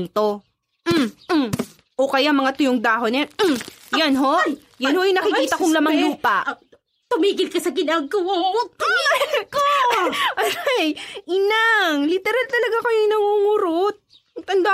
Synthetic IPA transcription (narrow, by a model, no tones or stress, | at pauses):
ŋt̪o | ʔokɐjamɐŋat̪ʊjoŋd̪aːɦonɛjɐnɦo̞ | jɐnhoʔjɐŋnɐkɪkiːt̪ɐkoŋlɐmɐŋluːpɐʔ | t̪ʊmiːɡɪlkɐsɐɡɪnɐɡko | koʔɐajʔɪnaŋlɪt̪ɛɾalt̪ɐlɐɡakɐjojnɐŋuŋʊɾot̪̚ | t̪ɐnd̪o